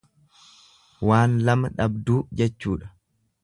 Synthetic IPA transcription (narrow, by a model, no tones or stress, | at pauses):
waːnlɐmɐᶑɐbd̪uːd͡ʒɛt͡ʃːuːᶑɐ̥